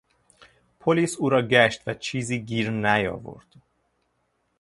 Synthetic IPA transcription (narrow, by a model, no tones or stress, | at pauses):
pʰolisuɾɒɡɛʃt̪ʋɛt͡ʃiziɡirnæjɒ̰vo̰rt̪